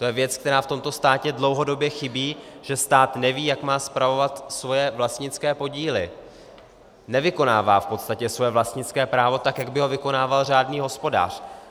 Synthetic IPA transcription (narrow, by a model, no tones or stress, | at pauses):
t̪o̞jɛvjɛtt͡sk̚t̪ɛɾaːft̪o̞mt̪o̞st̪aːcɛdlo̞wɦo̞do̞bjɛxɪbiːʒ̥ɛst̪aːt̪nɛviːjakmaːspɾavo̞vat̪svo̞jɛvlast̪ɲɪt͡skɛːpo̞ɟiːlɪ̰ | nɛvɪko̞naːvaːfpo̞t̪st̪acɛsvo̞jɛvlast̪ɲɪt͡skɛːpɾaːvo̞t̪akjaɡbɪɦo̞vɪko̞naːvalr̝aːdniːɦo̞spo̞da̰ːr̝̥